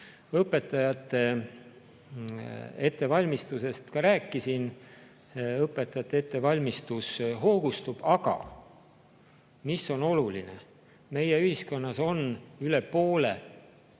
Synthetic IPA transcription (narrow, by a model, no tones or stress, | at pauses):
ɤpːˑe̞t̪ːˑɑjɑt̪ːe̞ | e̞t̪ːe̞vɑlʲmist̪use̞st̪kɑɾæːkˑːisin | ɤpːˑet̪ːˑɑjɑt̪ːˑeet̪ːe̞vɑlʲmist̪usɦo̞ːɡ̥ust̪ub̥ɑɡɑ̰ | misːo̞no̞lulinḛ | me̞jeyhisko̞nːɑso̞nyle̞po̞ːle̞̰